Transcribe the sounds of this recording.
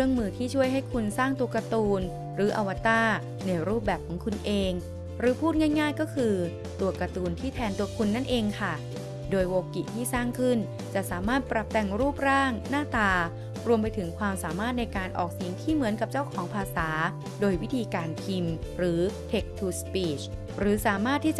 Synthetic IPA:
ɾɯ˥˩əŋmɯː˧t̪ʰiː˥˩t͡ɕʰu˥˩əjɦa˥˩jkʰu˧nsaː˥˩ŋt̪u˧ɐka˧t̪uː˧n | ɾɯː˩˦ʔa˧wa˦˧t̪aː˥˩ | na˧jɾuː˥˩p̚bɛː˨˩p̚kʰːɔː˩˦ŋkʰu˧nʔeː˧ŋ | ɾɯː˨˩˦pʰuː˥˩ŋa˥˩jŋaː˥˩jkɔː˥˩kʰɯː˧ | t̪u˧ɐka˧t̪uː˧nt̪ʰiː˥˩t̪ʰɛː˧nt̪u˧ɐkʰu˧nːa˥˩nʔeː˧ŋkʰa˥˩ | doː˧jwoː˧kːi˨˩t̪ʰiː˥˩saː˥˩ŋkʰɯ˥˩n | t͡ɕa˨˩ʔsaː˩˦maː˥˩t̪̚pɾa˨˩p̚t̪ɛ˧˩ŋɾuː˥˩p̚ɾaː˥˩ŋnaː˥˩t̪aː˧˩ | ɾu˧əmp̬a˧jt̪ʰɯ˩˦ŋkʰwaː˧msaː˩˦maː˥˩t̪̚na˧jkaː˧nʔɔ̰ː˨˩k̚si˨˩˦ŋt̪ʰiː˥˩mɯ˩˦ənka˨˩p̚t͡ɕa˥˩wkʰɔː˩˦ŋpʰaː˧saː˩˦ | doː˧jwi˦˥t̪ʰiː˧kaː˧nkʰi˧m | ɾɯː˩˦t̪ʰe˨˩k̚t̪ʰuː˧˩spiː˨˩t͡ɕ | ɾɯː˩˦saː˩˦maː˥˩t̪ʰːiː˥˩t͡ɕ

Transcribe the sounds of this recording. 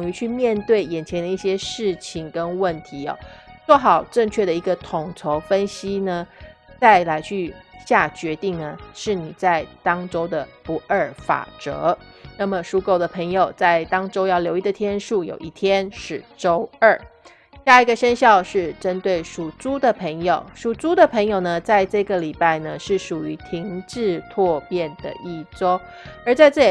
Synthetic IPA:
ʊ˨˩ŋy˧˥t͡ɕʰy˥˧mjɛ˥˧nt̪we˥˩ɪjɛ˨˩nt͡ɕʰjɛ˧˥nd̪ə˧i˥˩ɕjɛ˥ʂɻ̩˥˩t͡ɕʰi˨˩ŋkə˥nwə˥˩nt̪ʰi˧˥ɐ̰˨˧˦t͡swɔ˥˩xɑ˨˩ʊʈ͡ʂɤ˥˧ŋt͡ɕʰɥɛ˥˩ɾə˩i˧˥ɡə˧t̪ʰʊ˨˩ŋt͡sʰo˧˥ʊfə˥nɕi˥nə˨ | t͡sa˥˩ɪla˧˥ɪt͡ɕʰy˥˧ɕja˥˩t͡ɕɥɛ˧˥t̪i˥˩ŋnə˩ʂɻ̩˥˩ni˨˩t͡sa˥˩ɪt̪ɑ˥ŋʈ͡ʂo˥ʊd̪ə˨pu˧˥ʔə˞˥˩fa̰˨˩ʈ͡ʂɤ̰˧˥ | na˥˩mə˩ʂu˥ko˥˩ʊd̪ə˩pʰə˧˥ŋjo˨˩ʊt͡sa˥˩ɪt̪ɑ˥ŋʈ͡ʂo˥ʊjɑ˥˩ʊljo˧˥ʊi˥˩d̪ə˨˩t̪ʰjɛ˥nʂu˥˩jo̰˨˩ʊʔi˥˩t̪ʰjɛ˥nʂɻ̩˥˩ʈ͡ʂo˥ʊə˥˩ | ɕja˥˩i˧˥ɡə˨˧ʂə˥nɕjɑ˥˧ʊʂɻ̩˥˩ʈ͡ʂə˦˥nt̪we˥˩ɪʂu˨˩t͡su˥d̪ə˨pʰə˧˥ŋjo˨˩ʊʂu˨˩t͡su˥d̪ə˨pʰə˧˥ŋjo˨˩ʊnə˦t͡sa˥˧ɪʈ͡ʂɤ˥˩ɡə˩li˨˩pa˥˩ɪnə˩ʂɻ̩˥˩ʂu˨˩y˧˥t̪ʰi˧˥ŋʈ͡ʂɻ̩˥˧t̪ʰwɔ˥˧pjɛ˥˩nd̪ə̰˩i˥˩ʈ͡ʂo˥ʊ | ə˞˧˥t͡sa˥˧ɪt͡sɤ˥˩˨

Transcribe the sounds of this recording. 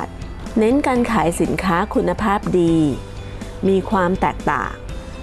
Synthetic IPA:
t̪̚ | ne˦˥nkaː˧nkʰaː˩˦jsi˩˦nkʰaː˦˥kʰu˧nːa˧pʰaː˥˩p̚diː˧ | miː˧kʰwaː˧mt̪ɛ̰ː˨˩k̚t̪a̰ː˨˩ŋ

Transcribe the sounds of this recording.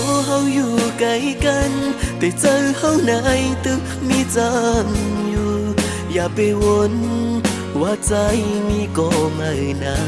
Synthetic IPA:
ɔ˧˦ɦa˧wjuː˧˩ka˧˦jka˧nt̪ɛ˨t͡sa˧wha˧wna˧˦˧jt̪ɯ˧˥ | mi˧t͡sa˧˦mju˧ | jaː˨˩pe˧wo˧n | waː˧˥t͡sa˧jmi˧˥kɔ˧ma˧˩ɰna˧˦

